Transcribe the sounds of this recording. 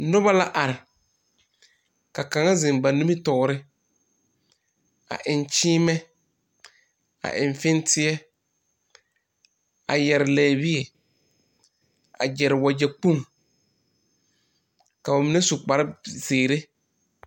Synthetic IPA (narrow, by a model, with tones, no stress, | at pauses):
nʊ˦ba˦la˦ʔa˨ɾɪ˨ | ka˨ka˨ŋa˦zɪ̃˨mba˨nu˦mi˦tɔ˨ɾɪ˦ | a̰˨ʔɪ˨nt͡ʃiː˦mɛ˦ | a̰˨ʔɪ̃˨ɱ˨fɪ˦ntɪ˦ɛ˦ | a̰˨jɛ˨ɾɪ˨lɛː˨bi˦ɛ˨ | a̰˨d͡ʒɛ˨ɾɪ˨wa˨d͡ʒɛ˨k͡pu˦˨ŋ | ka˨ba˨mɪ˨na˦su˨k͡pa˨ɾɪ˦zeː˨ɾe˦